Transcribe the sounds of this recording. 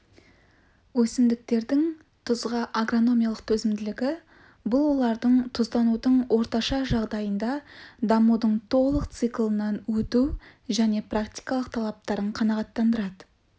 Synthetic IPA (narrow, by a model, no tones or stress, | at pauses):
wɵsɪmd̪ɪk̚t̪e̞ɾd̪ɪŋ | t̪ʰʊzʁɑʔaɡro̞no̞mijalˠəqt̪ʰɵzɪmd̪ɪlɪɡʲɪ | bʊlˠwo̞lˠɑɾd̪əɴt̪ʰʊzt̪ɑnud̪əɴwo̞ɾt̪ɑʃɑʒɑʁd̪ɑjənd̪ɑd̪ɑmud̪əɴt̪ʰo̞lˠəqt̪sɨklˠənɑnwɵt̪u | ʒæne̞prakt̪ijkɑlˠəqt̪ʰɑlˠɑp̚t̪ɑɾəɴqʰɑnɑʁɑt̪ːɑnd̪əɾɑd̪ə